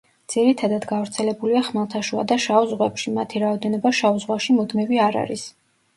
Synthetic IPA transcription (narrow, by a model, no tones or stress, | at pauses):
d̪z̥iɾit̪ʰad̪ad̪ɡavɾt̪sʰɛlɛbuliaχmalˠt̪ʰaʃua̰d̪aʃauzʁwɛpʃimat̪ʰiɾaɔd̪ɛnɔbaʃauzʁwaʃimɔd̪mɛviaɾa̰ɾis